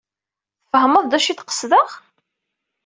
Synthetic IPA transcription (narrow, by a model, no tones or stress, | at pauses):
θfəɦəmɑðˤd̪æʃiθqə̥sðəʁ